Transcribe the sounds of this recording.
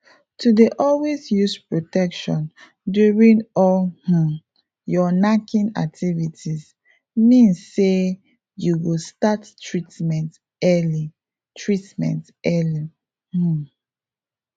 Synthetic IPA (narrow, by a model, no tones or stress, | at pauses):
tudeʔɔlwezjuspɹotɛkʃɔ̃n | djuɹĩnɔlhũ | jɔnakʰĩna̰k̚tʰivitʰis | mĩnsːe | juɡostattɹitmɛ̃nt | ɛli | tʰɹitmɛ̰̃nt | ɛli | h̩